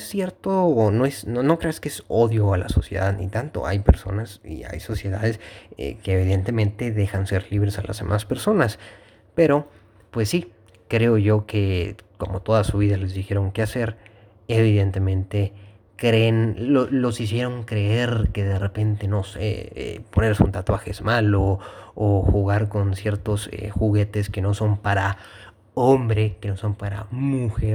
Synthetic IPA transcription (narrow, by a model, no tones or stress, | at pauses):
sje̞ɾt̪oːno̞e̞snono̞kɾe̞askeeso̞ðjo̞ala̰so̞̰sje̞̰ðaðnḭt̪ant̪o̞̰a̰jpe̞̰ɾso̞̰nasḭa̰jso̞sje̞ða̰ðe̞sḛkeːβ̞iðe̞nt̪e̞mẽ̞nt̪e̞ðe̞xanse̞ɾliβɾe̞salʔa̰zðe̞̰mʔaspe̞ɾso̞nas | pe̞ɾo̞ | pwe̞sːi | kɾe̞o̞ʝo̞ke̞ko̞mo̞t̪o̞ðasuβiðale̞zðixe̞ɾo̞ŋke̞ase̞ɾ | e̞β̞iðe̞nt̪e̞mẽ̞nt̪e̞ | kɾenlolo̞sis̬je̞ɾo̞ŋkɾe̞eɾke̞ðe̞re̞pe̞nt̪e̞no̞sḛḛpo̞ne̞ɾsṵnt̪at̪waxe̞̰zmaloː | xuɣaɾko̞nsje̞ɾt̪osḛxuɣe̞t̪e̞ske̞no̞so̞mpaɾa | ombɾekeno̞so̞mpaɾa̰muxeɾ